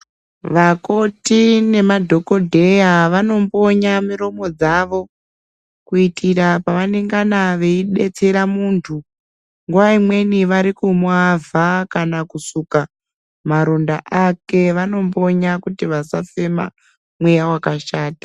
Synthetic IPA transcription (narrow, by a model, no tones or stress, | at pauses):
ʋakotine̞madʱo̞ko̞dʱe̞jaʋano̞mbo̞ɲamiɾo̞mo̞d͡zaʋo̞ | kuitʰiɾapaʋaneŋɡanaʋe̞iɗe̞t͡se̞ɾamuːntʰu | ŋɡuʋaimwe̞niʋaɾikumwavakanakusuka | maɾondaʔake̞ʋano̞mbo̞ɲakutiʋasafe̞ma̰ | mwejawakaʃaːtḁ